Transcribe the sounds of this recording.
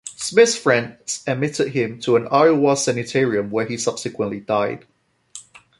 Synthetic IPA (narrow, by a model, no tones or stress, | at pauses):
smɪθfɹɛ̃nsəmɪtɪd̚ɦɪ̃mtʰəə̃naɹwɑsɛnɨtʰɛɹiə̃mwəisʌb̥sɪkʰwə̃nʔlidaɪd̥